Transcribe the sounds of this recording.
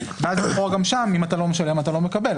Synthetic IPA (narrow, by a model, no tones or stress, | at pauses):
veazitχoaɡamʃamimatalo̞me̞ʃale̞matalome̞kabe̞l